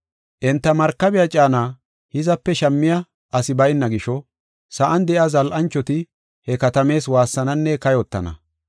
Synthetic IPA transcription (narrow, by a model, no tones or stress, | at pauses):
ʔɛnt̪ːɐmɐɾkːɐbɪjɐt͡ʃʼaːnaː | hɪzɐpːɛʃɐmːɪjɐ | ʔɐsɪbɐjɪnːɐɡɪʃɔ | sɐʔɐnd̪ɛʔɪazɐlʔɐnt͡ʃːɔt̪ɪ | hɛkɐt̪ɐme̞ːswaːsːɐnɐnːɛkɐjɔt̪ːɐ̰nɐ̰